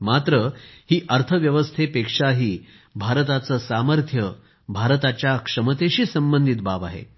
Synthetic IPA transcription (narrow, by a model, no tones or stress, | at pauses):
mat̪ɾəhiːʔəɾt̪ʰəʋjəʋəst̪ʰepekʂaɦiː | bʱaɾət̪at͡səːsaməɾt̪ʰjə | bʱaɾət̪at͡ɕjakʂəmət̪eɕiːsəmbənd̪ʱit̪baʋa̰ɦḛ